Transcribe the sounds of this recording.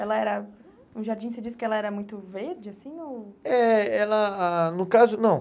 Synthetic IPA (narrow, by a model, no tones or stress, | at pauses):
ɛlɐɛɾɐ | ũʒaɾd͡ʒĩsed͡ʒis̬ɪ̥kɪɛlɐɛɾɐmũj̃t̪ʊveɾd͡ʒɪasĩowɛɛlɐanʊkazʊnɐ̃w̃